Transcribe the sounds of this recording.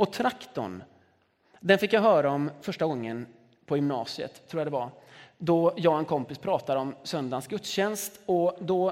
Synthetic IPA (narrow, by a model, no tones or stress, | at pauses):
ɔt̪ʰɾakt̪ɔ̰n | d̪ɛnfɪkːjaɦœːɾaɔmfœʂʈaɡɔŋːən | pʰɔjʏmnɑ̰ːsɪə̰t̪ʰːuːɾjad̪ɛvad̪ɔjɑːɡɛnkʰɔmpɪspʰɾɑːt̪ad̪əɔmsœnd̪ansɡɵt̪sɕɛnst̪ɔd̪ɔ